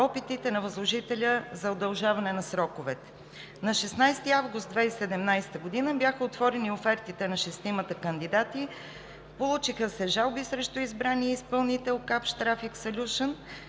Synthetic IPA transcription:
ɔpit̪it̪ɛnɐvɐzlˠoʒit̪ɛlʲəzɐod̪ɐlˠʒavɐnɛnɐsɾɔkʊvɛt̪ɛ̥ | nɐʃɛsnajst̪iavɡʊst̪d̪vɛisɛd̪ɛmnajst̪əɡʊd̪inəbjaxəot̪vɔɾɛniofɛɾt̪it̪ɛnɐʃɛst̪imət̪əkənd̪id̪at̪i | polˠut͡ʃixəsɛʒalˠbisɾɛʃt̪ʊizbɾaniɛispɐlˠnit̪ɛlˠkapʃt̪ɾafiksɐlʲuʃən

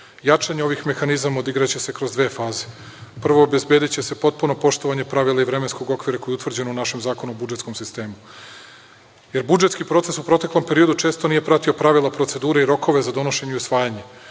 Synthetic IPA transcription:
jat͡ʂaɲeo̞ʋixme̞xanizamod̪iɡɾat͡ɕese̞kɾo̞zd̪ʋeːfaːze | pr̩ʋo̞ːbe̞zbed̪it͡ɕe̞se̞po̞t̪̚puno̞po̞ʃt̪oʋaɲe̞pɾaʋilˠaivɾe̞mensko̞ɡo̞kʋiɾako̞jiut̪vr̩d͡ʑe̞nounaʃe̞mzaːkonuobud͡ʒet̪sko̞msist̪e̞ːmu | jeɾbud͡ʒet̪skipɾo̞t̪se̞supɾo̞t̪e̞klˠo̞mpe̞ɾijo̞d̪ut͡ʂeːst̪o̞niːje̞pɾat̪io̞pɾaʋilapɾot̪se̞d̪uːɾeiɾo̞ko̞ʋe̞zad̪o̞no̞ʃe̞ɲeusʋaːjaɲe̞

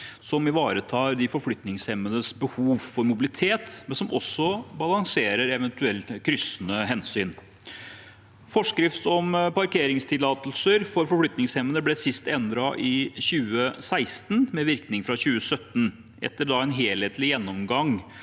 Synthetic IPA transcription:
sɔmɪʋɑːɾət̪ʰɑːɾd̪ɪfɔɾflʏt̪nɪŋshɛmːənəsbəhuːʋfɔɾmʊbɪlɪt̪ʰeːt̪mɛnsɔmʔɔsːɔbɑlɑŋseːɾəɾɛʋɛnt̪ʉɛlt̪kʰɾʏsnəɦɛnsyːn | fɔʂkɾɪft̪ɔmpɑɾkeːɾɪŋst̪ʰɪlɑːt̪lsəɾfɔɾfɔɾflʏt̪nɪŋshɛmːənəblɛsɪst̪ɛnd̪ɾɑʔɪɕʉːəsæɪst̪n̩mɛʋɪɾknɪŋfɾɑɕʉːəsœt̪ːn | ʔɛ̰t̪ːəd̪ɑɛnɦeːlheːt̪lɪjɛnːɔmɡɑŋ

